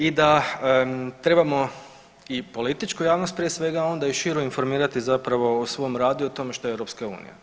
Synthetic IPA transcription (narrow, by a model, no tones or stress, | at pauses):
id̪a | t̪ɾe̞bamo̞ | ipo̞lit̪it͡ʃkujaːʋno̞st̪̚pɾije̞sʋe̞ɡao̞nd̪aiʃiɾoinfo̞ɾmiːɾat̪izapɾaʋo̞osʋo̞jmɾaːd̪uot̪o̞meʃt̪o̞eewɾo̞pskaṵːnḭja̰